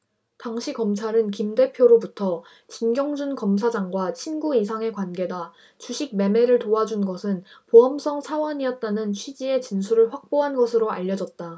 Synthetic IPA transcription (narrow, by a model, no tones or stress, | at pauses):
taŋɕʰikʌmt͡ɕʰaɾɯnkimde̞pʰjoɾobutʰʌ | t͡ɕinɡjʌŋd͡ʑunkʌmsʰad͡ʑaŋɡwat͡ɕʰinɡuisʰaŋe̞kwanɡe̞da | t͡ɕuɕʰiɡ̚me̞me̞ɾɯɭtoad͡ʑunɡʌsʰɯnpoɦʌms͈ʰʌŋsʰawʌɲijʌt̚t͈anɯnt͡ɕʰɥid͡ʑie̞t͡ɕinsʰuɾɯɭɸwak̚p͈oɦanɡʌsʰɯɾoaʎːʌd͡ʑʌt̚t͈a